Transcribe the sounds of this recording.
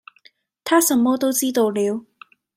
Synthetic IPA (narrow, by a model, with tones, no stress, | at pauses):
t̪ʰaː˥sɐ˧˥mmo˥wt̪o˥wt͡siː˥t̪o˧wliː˨˥w